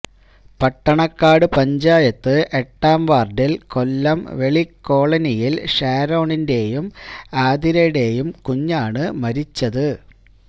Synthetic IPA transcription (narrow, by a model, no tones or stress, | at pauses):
pɐʈːɐɳɐkːaːɽɨpɐɲd͡ʑaːjɐt̪ːɨʔe̞ʈːaːmʋaːrɖilkolːɐmʋe̞ɭikːo̞ːɭɐnijilʂaːɾo̞ːɳinde̞ːjumaːd̪iɾeɽe̞ːjumkuɲːaːɳɨmɐɾit͡ɕːɐðɨ